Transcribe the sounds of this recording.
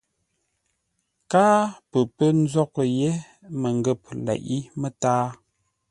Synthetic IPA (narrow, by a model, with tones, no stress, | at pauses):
kaː˦pə˨pə˦n̩˦zɔ˦kə˨je˦ | mə˨ŋ˨ɡə˦˨p̚lɛ̰˨ʔi˦mə˦taː˦